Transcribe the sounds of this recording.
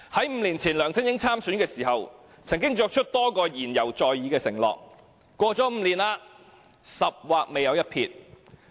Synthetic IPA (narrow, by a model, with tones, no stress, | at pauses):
hɐ˨˥jm̩ː˨˧liː˨˩nt͡sʰiː˨˩nlœː˨˩ŋt͡sʰɪ˥ŋjɪ˨˧˥ŋt͡sʰaː˥msyː˨˥nkɛː˧siː˨˩ɦɐ˨w | t͡sʰɐ˨˩ŋkɪ˥ŋt͡sɔː˧k̚t͡ʃʰɵ˥t̚t̪ɔː˥kɔː˧jiː˨˩njɐ˨˩wt͡sɔː˨jːiː˨˧kɛː˧sɪ˨˩ŋlɔ̰ː˨k̚ | kːʷɔː˧t͡sɔː˨˥m̩ː˨˧liː˨˩naː˧ | sɐ˨p̚waː˨k̚me˨jɐ˨˧wjɐ˥t̚pʰḭː˧t̚